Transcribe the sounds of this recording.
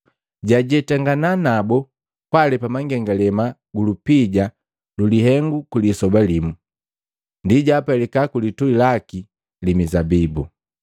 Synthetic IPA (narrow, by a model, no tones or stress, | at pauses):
ɟaɟɛtaŋɡananabɔ | pwalɛpamaŋɡɛŋɡalɛma | ɡulupiɟa | luliɦɛŋɡukulisɔbalimu | ndiɟaːpalɛkakulituilaki | limizabibu